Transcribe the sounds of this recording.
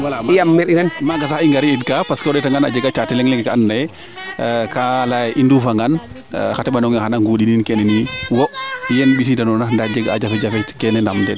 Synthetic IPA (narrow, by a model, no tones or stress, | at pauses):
wijamːɛɾinɛnmaɡas̬axiŋɡaɾiidkapaskɔdɛtaŋɡana̰d͡ʒɛɡat͡ʃatɛlɛŋlɛŋɡɛkaanːajɛ | kalajʔindufaŋɡan | xatɛɓanɔŋaxanaŋɡoɗininkɛnɛniwɔjɛnɓis̬idanɔnandad͡ʒɛɡa̰d͡ʒafɛd͡ʒafɛkɛnɛndamdɛd